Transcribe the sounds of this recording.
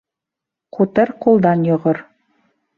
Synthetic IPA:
qut̪ɤɾqulˠd̪ɑnjŏʁoɾ

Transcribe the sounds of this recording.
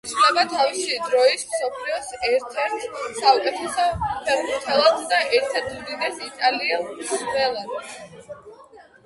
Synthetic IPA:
t̪sʰχd̪ɛbat̪ʰaviʃid̪ɾɔismsɔpʰliɔsɛɾt̪ʰɛɾt̪ʰsaukʼɛt̪ʰɛsɔpʰɛɾbuɾt̪ʰɛlˠat̪d̪aʔɛɾt̪ʰɛɾt̪ʰmd̪inɛsit̪ʼaliasmɛlˠan

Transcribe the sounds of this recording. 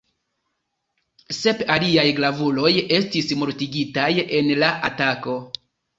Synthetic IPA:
se̞paliajɡlavulo̞je̞stismoɾtiɡitaje̞nlaʔatako̞

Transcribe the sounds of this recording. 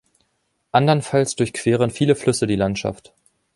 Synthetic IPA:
ʔandɐnfalsd̥ʊɐçkʰv̥eːʁ̞ənfiːləflʏsədiːlantʃa̰ft

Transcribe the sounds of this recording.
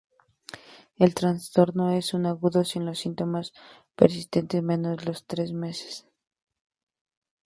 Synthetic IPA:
e̞lt̪ɾanst̪o̞ɾno̞e̞sunaɣuðo̞sinlo̞sint̪o̞maspḛɾs̬ist̪ent̪emẽ̞no̞zlo̞st̪ɾe̞zme̞se̥s

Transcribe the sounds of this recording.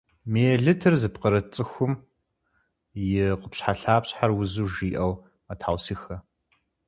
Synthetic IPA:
mejɛɮɨtʰɨrzɨpqəɾɐt͡sʼɨxʷʊm | jɪqəpɕħaɬaːpɕħarwʊzuːʒiːʔɐw | ɐtʰawsiːxɐ

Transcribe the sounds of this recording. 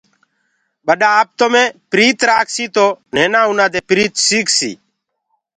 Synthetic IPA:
ɓəɗaːaːp̚t̪omẽːpɾiːt̪ɾaːkʰsiːt̪oːn̤eːnãːunaːd̪eːpɾiːt̪siːksḭː

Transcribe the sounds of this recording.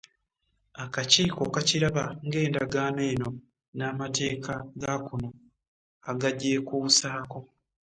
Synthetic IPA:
akaciːkokaciɾaβaŋɡe̞ːndaɡaːneːno̞ | naːmate̞ːkʰaɡakuno̞ | aɡaɟːe̞ːkuusaːko̞

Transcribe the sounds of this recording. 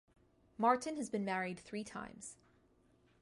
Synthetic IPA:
mɑɹʔn̩ɨzbɨ̃nmæɹid̪̚θɹitʰã̰ɪ̃mz̥

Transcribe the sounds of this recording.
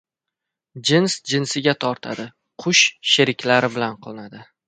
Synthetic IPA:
d͡ʒɪnsd͡ʒɪnsɪɡʲat̪ʰɒɾt̪ʰa̰d̪ɪ | qʰʊʃʃeɾɪkʲlaɾɪbɪlanqʰɒnad̪ɪ

